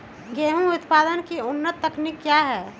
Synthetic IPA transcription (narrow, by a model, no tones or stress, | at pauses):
ɡeɦũʊt̪paːd̪ənkiʊnːət̪ːəknikːjaɦɛː